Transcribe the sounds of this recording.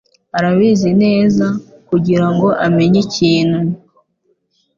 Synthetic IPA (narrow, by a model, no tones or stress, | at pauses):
aɾaβiːzine̞ːzakuɟiɾaŋɡo̞ʔame̞ɲeciːn̥hu